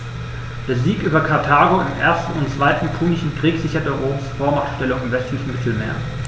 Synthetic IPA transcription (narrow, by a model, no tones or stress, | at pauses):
d̥eːɐziːkʔyːbɐkʰaɐtʰaːɡodɪmʔeːɐstn̩ʊnt͡sv̥aɪtn̩pʰuːnɪʃn̩kʁ̥iːkz̥ɪçɐdɛʁoːmsfoːɐmaχtʃtɛlʊŋɪmvɛstlɪçn̩mɪtl̩mḛːɐ